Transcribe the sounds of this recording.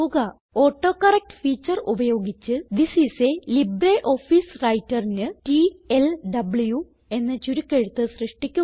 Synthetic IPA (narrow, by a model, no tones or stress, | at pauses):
uɡɐ | oːʈːo̞ːkːɐrek̚ʈɨ̥fiːt͡ɕːɐrubɐjo̞ːɡit͡ɕːɨd̪isiselibreʔo̞ːfiːsrɐjtːɐrinɨʈielɖɐbɭju | e̞nːɐt͡ɕːuɾukʲːeɻut̪ːɨsrɨʂʈikʲːu